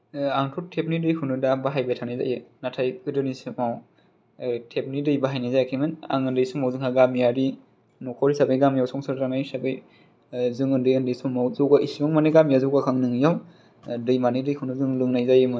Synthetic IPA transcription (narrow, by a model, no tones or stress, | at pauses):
aŋtʰutʰepnidɯjkʰunɯdabaɦajbajtʰanajza̰jɯnatʰajkɯdɯnisɯmaw | tʰep̚nidɯjbaɦajnajzajakʰemɯna̰ŋɯndɯjsumawzɯŋhaɡamijaɾi | nɔkʰɔɾisabɯjɡamijawsɔŋsɯɾɾaŋajsabɯj | zɯŋɯndɯjɯndɯjsumawzɔɡaʔisimɯŋmaneɡamijazɔwɡakʰaŋnɯŋjaw | dɯjmanɯjdɯjkʰɯnɯzɯŋlɯŋnajzajɯmɯ